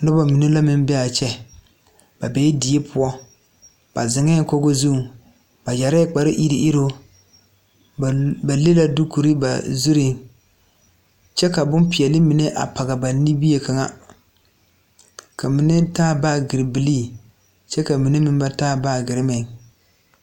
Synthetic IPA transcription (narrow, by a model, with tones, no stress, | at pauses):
nʊ˦ba˨mi˨ne˦la˦mɪ˦m˦bɛ˦a˨t͡ʃɛ˦ | b̥a˨bɛ˨˦di˨e˦pʰʊ˦ɔ˦ | b̥a̰˨zɪ˨ŋɛ˦ko˦ɡo˦zu˦˨ | ba˨d͡ʒa˨ɾɛ˦k͡pa˨ɾɪ˦ʔi˦ɾi˨ʔi˦ɾo˦˨ | ba˨le˦la˦du˦ku˨ɾi˦ba̰˨zu˦ɾi˦ | t͡ʃɛ˦ka˨bʊ˦npɪ˨ɛ˨lɪ˦mi˨ne˦ʔa̰˨pa˨ɡa˨ba˨ni˦bi˦e˨ka˨ŋa̰˦ | kʰa˨mi˨nɛ˦taː˦ba˦˨ɡɪ˨ɾɪ˨bɪ˨li˦˨ | t͡ʃɛ˦ka˨mi˨ne˦mɪ˦n˦ba˦taː˦baː˦˨ɡɪ˨ɾɪ˦mɛ˨